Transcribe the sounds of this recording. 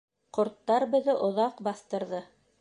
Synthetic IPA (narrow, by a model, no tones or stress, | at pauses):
qŏɾt̪ːɑɾbɘ̆ðɘʔŏðɑqbɑθt̪ɤ̆ɾðɤ